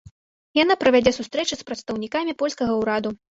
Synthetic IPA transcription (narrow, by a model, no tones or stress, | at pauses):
janapɾɐvʲad͡zʲɛsust̪ɾɛt͡ʂɨspɾɐt̪st̪ɐwnʲikamʲipɔlʲskɐɣɐwɾad̪u